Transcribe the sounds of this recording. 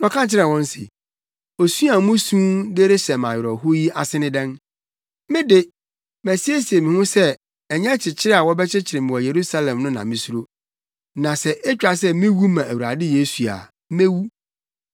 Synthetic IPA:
nɔ̃˨kʰã˦n˦t͡ɕʰɪ˦ɾɛ̃˨wɔ̃˦n˦sɪ̰˨ | o˨su˦a˨˦mʊ̃˦sũ˦de˦ɾe˦sɛ˨mã˨jɪ˨ɾɔ˨ɦʊ˦ji˦ʔa˨sɪ˦nɪ̃˦dɛ̃˦n | mɪ̃˦dɪ˨ | mæ˨si˦e˦si˨e˨mɪ̃˨hʊ̃˦sɛ˦ | ɛ˨ɲɛ̃˦t͡ɕʰɪ˨t͡ɕʰɪ˦ɾɪ˦a˨wɔ˦bɛ˦t͡ɕʰɪ˦t͡ɕʰɪ˨ɾɪ˨mɪ̃˨wɔ˨je˨ɾu˦sa˦lɛ̃˨mnʊ̃˦nã̰˨mɪ̃˨su˦ɾo˦ | nã˨sɛ˦ʔɛ˦t͡ɕᶣa˨s̬ɛ˦mɪ̃˦wu˦mã˨ʔæ˨wu˨ɾa̰˨dɪ˦je˦su˨a̰˨˦ | mẽ˦wu˦

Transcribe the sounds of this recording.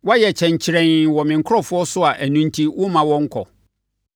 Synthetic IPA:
wa˦jɛ˨t͡ɕʰɛ̃˨ɲ˨t͡ɕʰɪ˦ɾɛ̃˨nwɔ˨mɪ̃˨ŋ̩˨kʰʊ˦ɾɔ˦fʊ˦ɔ˦sʊ˦a˨ʔæ˨nũ˦n̩˦tʰi˦wʊ˦mã˨wɔ̃˦ŋ̩˦kʰɔ̰˨

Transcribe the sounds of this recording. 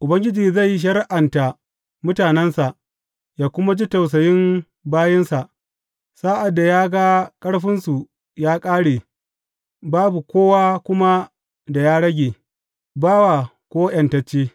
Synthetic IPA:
ʔʊ˨bɐ˦ŋɡʲɪ˦d͡ʒiː˨za˦˨jːi˦ʃ̬ɐ˦ɾʔa˨nta˨ | mʊ˦taː˨nɛ˦nsa˨ʔ | jaː˦kʷʊ˦ma˦d͡ʒi˦ta˨ws̬ɐ˨jɪ˦m | baː˦jɪ˦nsa˨ʔ | saː˦ʔa˨dːa˨jaː˦ɡa˦kʼɐ˦ɽɸɪ˦nsu˨ | jaː˦kʼaː˦ɽeː˨ | baː˦bu˨kʷoː˦waː˦kʷʊ˦ma˦ | da˨jaː˦ɽɐ˦ɡʲeː˨ | baː˦wa˨ | kʷoː˦jɐ˨ntɐ˦t͡ʃːeː˦

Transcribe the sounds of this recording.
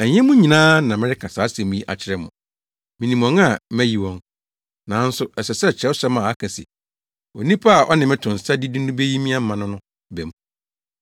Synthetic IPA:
æ˨ɲɛ̃˦mũ˦ɲĩ˨nãː˦nã˨mɪ̃˦ɾɪ˦kʰa˨sa˨˦sɛ˨mũ˦i˦ʔa̰˨t͡ɕʰɪ˦ɾɛ˦mʊ̃˨ | mĩ˨nĩ˨mɔ̃˨ŋa˦˨mɛ˦ji˨wɔ̃˦n | nã˨˦n̩˦sʊ˦ɛ˨sɛ˨sɛ˦˨t͡ɕʰɛ˦sɛ˦mã˨a˦kʰã˨sḭ˨ | o˨nĩ˦pʰa˦a˨ʔɔ˦nɪ̃˨mɪ̃˦tʰʊ̃˨n̩˨sa˦di˦di˦nʊ̃˦be˦ji˦mĩ˦a˦m̩˦mã˨nʊ̃˦nʊ̃˦ | bɛ˨mũ˨˦

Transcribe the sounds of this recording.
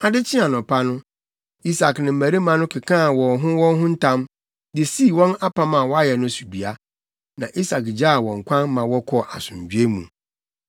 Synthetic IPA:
a˨dɪ˦t͡ɕʰɪ̃˦a˨nʊ̃˨pʰa˦nʊ̃˦ | i˦sa˨knɪ̃˨m̩˨mæ˨ɾi˦mã˨nʊ̃˦kʰɪ˨kʰã˦˨wɔ˨ɦʊ̃˦wɔ̃˦nɦʊ̃˦n̩˦tʰã˦m | dɪ˨siː˦˨wɔ̃˦na˦pʰa˦mã˨wɔ˦a˦jɛ˨nʊ̃˦su˨bi˨a˦ | nã˨ʔi˦sa˨kd͡ʑa˦˨wɔ̃˨ŋ̩˨kʷʰã˦nmã˨wɔ˦kʰɔ˦˨ʔa˨sʊ̃˨ɲ˨d͡ʑᶣɥe˦mṵ̃˨

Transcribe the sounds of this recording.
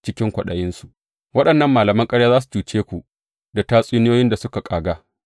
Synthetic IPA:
t͡ʃɪ˦kʲɪ˦ŋkʷɐ˨ɗɐ˨jɪ˦nsu˨ʔ | wɐ˦ɗɐ˨nːɐ˦mːaː˨lɐ˨mɐ˦ŋkʼɐ˦ɽjaː˦zaː˦s̬u̥˨t͡ʃuː˨t͡ʃeː˦kʷu˨ʔ | da˨taː˦sʼuː˦nɪ˦joː˦jɪ˦nda˨sʊ˦ka˨kʼaː˨ɡaː˦

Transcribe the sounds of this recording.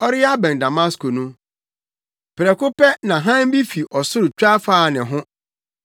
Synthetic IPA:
ɔ˦ɾɪ˦a˦bɛ̃˨n˨da˨mã˦sko˨nũ˦ | pʰɪ˨ɾɛ˨kʊ˦pɛ˦nã˨ɦã˦m˦bi˦fi˨ʔɔ˨sʊ˦ɾt͡ɕᶣa˦faː˦˨nɪ̃˨ɦʊ̃˦

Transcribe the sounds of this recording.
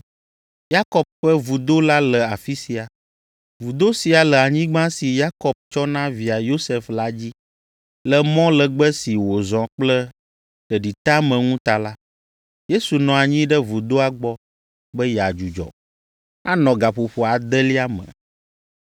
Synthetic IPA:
ja˦kɔ˨b̚ɸə˦vu˨d̪o˦la˦lə˨a˨fi˦si˨a˨ | vu˨d̪o˦si˨a˨lɛ˨a˨ɲĩ˦ɡ͡bã˦si˨ja˦kɔ˨b̚t͡ʃɔ˦nã˦vi˨a˨jo˦sɛ˨fla˦d͡ʑi˦ | lə˨mɔ̃˦lə˨ɡ͡bə˦si˨wo˨zɔ̃˨k͡plə˦ | ɖə˨ɖi˨t̪a˦mə̃˨ŋũ˦t̪a˨la˦ | je˦su˨nɔ̃˨a˨ɲĩ˦ɖə˦vu˨d̪o˦a˦ɡ͡bɔ˦ | bə˦ja˨d͡ʒu˨d͡ʒɔ̰˨ | a˦nɔ̃˨ɡa˨ɸu˨ɸo˨a˨d̪ə˦li˦a˦mə̰̃˨

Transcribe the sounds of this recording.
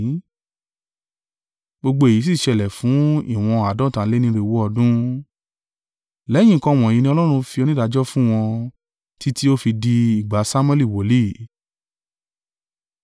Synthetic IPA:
ɡ͡bo˧ɡ͡bo˧˦e˨i˨˦s̬i˦˨ʃɛ˧˨lɛ˨fũ˨˦ḭ˦˨w̃ɔ̃˧a˨dɔ̃˦˨tã˨˦le˦nĩ˧ɾi˧˨wo˦ɔ˧dũ˦ | lɛ˨˦j̃ĩ˦˨kɔ̃˧˦w̃ɔ̃˨jĩ˧nĩ˧ɔ˧lɔ˦ɾ̃ũ˧fi˧o˧nĩ˦da˧d͡ʒɔ˦fũ˦w̃ɔ̃˧ | tʰi˦ti˦o˦fi˧di˧i˨ɡ͡ba˨˦sa˦m̃˦ɛ˦˨li˦˨wo˨˦li˦˨

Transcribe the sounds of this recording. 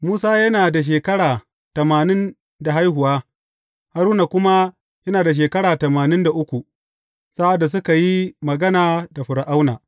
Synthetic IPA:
muː˦saː˦jɐ˦naː˨da˨ʃ̬eː˨kɐ˦ɽaː˨ | tɐ˨maː˨nɪ˦n | da˨ɦa˦jhʊ˨waː˦ | ha˦ɾuː˦na˨kʷʊ˦ma˦ | jɐ˦naː˨da˨ʃ̬eː˨kɐ˦ɽaː˨tɐ˨maː˨nɪ˦nda˨ʔʊ˦kʷu˨ | saː˦ʔa˨dːa˨s̬ʊ˦ka˨ji˦mɐ˨ɡɐ˦naː˨da˨ɸʊ˨ɾa˨ʔa˦wnaː˨

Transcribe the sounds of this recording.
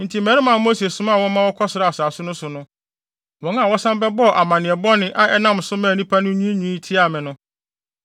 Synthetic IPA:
n̩˨tʰi˨mɛ˦ɾɪ˦mã˨˦mo˦se˨sʊ̃˨˦mã˦˨wɔ̃˦mã˦wɔ˦kʰɔ˦sɪ˨ɾa˨a˨saː˨sʊ˦nʊ̃˦sʊ˨nʊ̃˦ | wɔ̃˨˦a˨wɔ˦sã˦mbɛ˦bɔ˦˨ʔa˨mã˨nɪ̃˨ɛ˨bɔ˦nɪ̃˦ʔa˨ʔɛ˦nã˦m˨sʊ˦mãː˨nĩ˦pʰa˦nʊ̃˦ɲ̃˦i˦ɲũ˨˦i˦tʰi˦a˨mɪ̃˨nʊ̃˦

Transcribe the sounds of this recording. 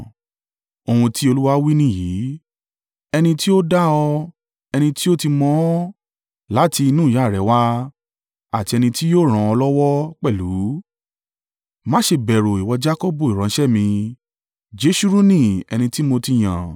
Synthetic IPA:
o˧wũ˧ti˦o˧lu˦wa˦wi˦nĩ˦˨jiː˨˦ | ɛ˧nĩ˧ti˦o˦da˦ɔ˧ | ɛ˧nĩ˧ti˦o˦ti˧mɔ̃˦ | la˨˦ti˧i˧nũː˦˨ja˨˦˨ɾɛ˨˦wa˦ | a˦˨ti˧ɛ˧nĩ˧ti˦joː˦˨ɾ̃ã˧ɔ˧lɔ˦wɔ˦k͡pɛ˦˨lu˨˦ | mã˦ʃe˧bɛ˨ɾo˨i˨wɔ˧d͡ʒa˦ko˦bo˦˨i˨ɾ̃ã˨˦ʃɛ˦˨mĩ˧ | d͡ʒe˨˦ʃu˦ɾu˦nĩ˦˨ɛ̰˧nĩ˧ti˦mo˧ti˧j̃ã̰˨

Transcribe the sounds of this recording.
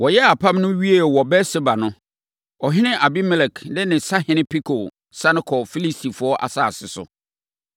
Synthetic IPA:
wɔ˨jɛ˦a˨pʰã˦mnʊ̃˦ɥi˦e˨wɔ˨bɛ˦sɪ˦ba˨nʊ̃˦ | ɔ˨ɦɪ̃˦nɪ̃˦ʔa˨bi˦mɛ˦lɛ˨kʰnɪ˦nɪ̃˨sa˦hɪ̃˦nɪ̃˦pʰi˦kʰo˨ | sã˦nɪ̃˦kʰɔ˨fi˦li˦sti˨fʊ˦ɔ˦ʔa̰˨sa˦˨sɪ˨sʊ̰˨

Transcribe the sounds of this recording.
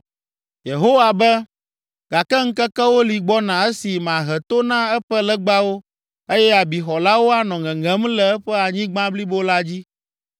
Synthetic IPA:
je˨ɦo˦wa˨bɛ˦ | ɡa˨kɛ˦ŋ̩˦kɛ˦kɛ˦wo˦li˨ɡ͡bɔ˦nã˨ɛ˦si˨m˨ã˨ɦɛ˨t̪o˦nã˦ɛ˦ɸɛ˦lɛ˦ɡ͡ba˦wo˦ | e˦jɛ˦a˨bi˨xɔ˨la˦wo˦a˨nɔ̃˨ŋɛ̃˨ŋɛ̃˦mlɛ˨ɛ˦ɸɛ˦a˨ɲĩ˦ɡ͡bã˦bli˦bo˦la˦d͡ʑi˦

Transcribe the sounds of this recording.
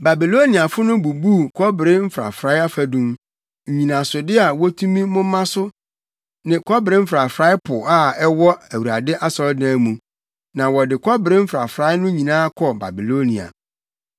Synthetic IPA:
ba˨bi˨lo˦nĩ˨a˨fʊ˦nʊ̃˦bu˨bu˦kʰɔ˦bɪ˨ɾɪ˦m̩˦fɾa̰˨fɾa˦a˦fæ˨dũ˦m | ɲ̩˨ɲĩ˨nã˨sʊ˨dɪ˦a˨wɔ˦tʰũ˦mĩ˦mʊ̃˦mã˦sʊ˦ | nɪ̃˨kʰɔ˦bɪ˨ɾɪ˦m̩˦fɾa˨fɾa˦ɪ˦pʰʊ˨a˦ɛ˦wɔ˦æ˨wu˨ɾa˨dɪ˦ʔa˦sɔ˨˦dã˦mũ˨ | nã˨wɔ˨dɪ˨kʰɔ˦bɪ˨ɾɪ˦m̩˦fɾa̰˨fɾa˦ɪ˦nʊ̃˦ɲĩ˨nãː˦kʰɔ˨ba̰˨bi˨lo˦ni˨a̰˨

